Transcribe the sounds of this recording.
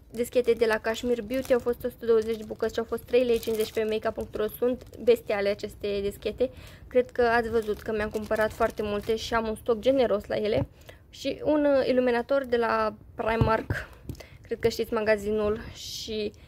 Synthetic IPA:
d̪iskʲe̞t̪e̞d̪e̞lakaʃmirbiut̪eawfo̞st̪osu̥t̪əd̪o̞wəze̞t͡ʃd̪ebukət̪ʲʃiawfo̞st̪ːɾe̞jlejt͡ʃinze̞t͡ʃʲpe̞mejkapuŋkt̪uɾosunt̪be̞st̪ialeat͡ʃe̞st̪e̞d̪iskʲe̞t̪e̞kɾe̞d̪kəat̪sʲvəzut̪kəmeamkumpəɾat̪foart̪e̞mult̪e̞ʃiamunst̪o̞k̚d͡ʒe̞ne̞ɾo̞sla̰je̞le̞ | ʃiunḭluminat̪o̞rd̪e̞laprajmːarkkɾe̞d̪̚kəʃt̪it̪sʲmaɡazinulʃʃi

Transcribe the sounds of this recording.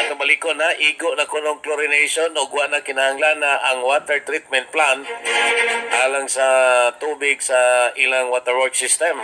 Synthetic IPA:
ɐk̪ɐbɐlikonaʔiːɡoʔnɐkonoŋkloɾɪnejʃonoɡʊwaʔnɐkɪnahaŋlanːaʔɐŋwat̪ɛɹt̪ɾɪt̪̚mɛnt̪̚plan | haːlaŋsɐt̪uːbɪɡsɐʔɪlaŋwaːt̪ɛɹwɔɹksɪst̪ɛm

